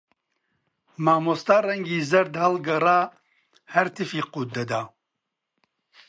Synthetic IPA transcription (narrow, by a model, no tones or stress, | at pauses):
maːmoːst̪aːrɐŋɡiːzɐɾd̪hɐlɡɐraː | hɐɾt̪ʰɨfiːquːt̪̚d̪ːɐd̪aː